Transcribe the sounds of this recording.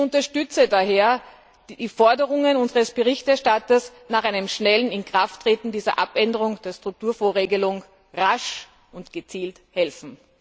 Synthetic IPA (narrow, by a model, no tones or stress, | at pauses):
ʊntɐʃtʏt͡sədaɦeːɐ̥ | d̥iːfɔɐdəʁʊŋənʊnzəʁəsb̥əʁɪçtɛɐʃtatɐsnaːχʔaɪnəmʃnɛlənɪnkʁ̥aftːʁ̥eːtn̩diːzɐ̰ʔapʔɛndəʁʊŋd̥eːɐstʁ̥ʊk̚tuːɐfoːɐʁeːɡəlʊŋ | ʁaʃ | ʔʊntɡ̥ət͡siːlt | hɛlfn̩